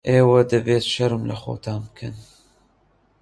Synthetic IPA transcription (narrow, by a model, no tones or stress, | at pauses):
ʔeːwɐd̪ɐveːt̪ʃɐɾɨmlɐ̰xo̰ːt̪ʰaːnbkʰɨn